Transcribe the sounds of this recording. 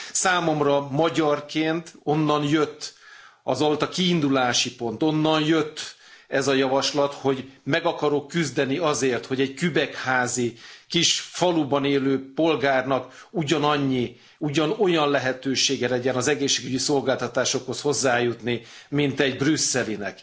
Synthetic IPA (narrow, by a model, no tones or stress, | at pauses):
saːmo̞mrɒmɒɟɒrkeːnt̪o̞nːɒnjøt̪ːɒ̰zo̞lt̪ɒkiːnd̪ulaːʃipo̞nt̪o̞nːɒnjøt̪ː | ɛzɒjɒvɒʃlɒt̪ho̞ɟmɛɡɒkɒɾokːyzd̪ɛniɒzeːrt̪ho̞ɟɛɟkybɛkhaːzikiʃfɒlubɒneːløːpo̞lɡaːrnɒk | uɟɒnɒɲːi | uɟɒno̞jɒnlɛɦɛt̪øːʃeːɡɛlɛɟɛnɒzɛɡeːʃːeːɡyɟiso̞lɡaːlt̪ɒt̪aːʃo̞kho̞sho̞zːaːjut̪nimint̪ɛɟbrysːɛlinɛ̰k